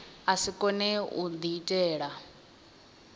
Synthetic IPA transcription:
asikʼɔnɛṵd̪iːtʼɛːɺa

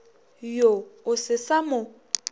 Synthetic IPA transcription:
joʊsɪsamʊ

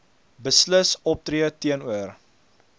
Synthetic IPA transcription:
bəsləsɔp̚tɾiətiənuər

